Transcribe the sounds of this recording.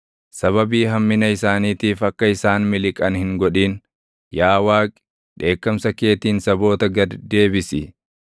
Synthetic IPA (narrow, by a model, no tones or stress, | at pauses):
sɐβɐbiːɦɐmːɪnɐɪsaːniːt̪iːfɐkːɐɪsaːnmɪlɪkʼɐnhɪŋɡɔᶑiːn | jaːwaːkʼ | ᶑe̞ːkːɐmsɐke̞ːt̪iːnsɐbo̞ːt̪ɐɡɐd̪d̪e̞ːbɪsɪ